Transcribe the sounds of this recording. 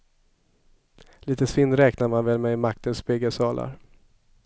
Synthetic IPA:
liːt̪əsvɪnɾɛːknaɾmanvɛlmɛmak̚t̪ənsbɪɡəsɑːlʔa̰ɾ

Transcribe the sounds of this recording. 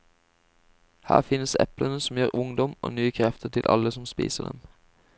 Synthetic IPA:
hæ̰ːʁfɪnəsɛ̰plənəsɔm̩jøːʁʊŋd̪ɔmo̰ːnyːəkʰʁɛft̪ət̪ʰɪlʔɑ̰ləsɔmspḭːsəd̪ɛ̰m

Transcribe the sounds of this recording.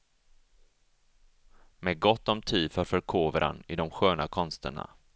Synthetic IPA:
mɛɡɔt̪ːɔmt̪ʰiːd̪fœːɾfœɾkʰoːvəɾʔa̰nɪd̪ɔmɧøːnakʰɔnst̪ə̰ɳa̰

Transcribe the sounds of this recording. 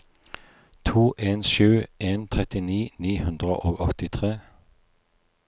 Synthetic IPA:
t̪ʰuːʔeːnʃʉːʔeːnt̪ʰʁɛt̪ɪniːniːhʉnd̪ʁə̰ʔoːɡɔt̪ɪt̪ʰʁeː

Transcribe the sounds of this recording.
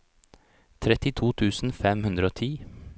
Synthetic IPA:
t̪ʰɾɛt̪ɪt̪ʰuːt̪ʰʉːsn̩fɛmhʉnd̪ɾəoːt̪ʰiː

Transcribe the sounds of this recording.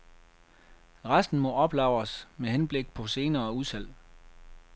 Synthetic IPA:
ʁasd̥n̩mɒ̽ʔɒ̽b̥lɑ̈ʊ̰ɐsmeɦenb̥le̝ɡ̥̚pʰɒ̽se̝ːnɐːuðˠsʰæl̰

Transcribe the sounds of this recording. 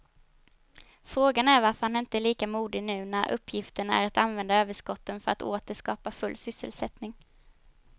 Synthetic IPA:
fɾoːɡanæɾvaɾfœɾhanɪnt̪əæɭiːkamuːd̪ɪnʉ̟ːnæɾʔɵ̰pʰːjɪft̪əɳæ̰ɾat̪anvɛnd̪aøːvəʂkɔt̪ːənfœɾa̰t̪oːt̪əʂkɑːpafɵlːsʏsə̰lsɛt̪nɪŋ

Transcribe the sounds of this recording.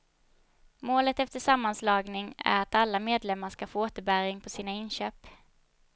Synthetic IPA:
moːlət̪ɛft̪əʂamːanslɑːɡnɪŋæ̰ɾat̪alːameːd̪lɛmːaʂkafoːoːt̪əɾbæɾɪŋpʰɔsiːnaɪnɕøːp

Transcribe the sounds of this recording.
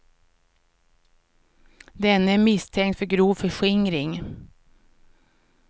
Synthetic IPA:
d̪ɛnəæːmɪst̪ʰɛŋt̪fɔɾɡɾuːfœʂɪŋɾɪŋ

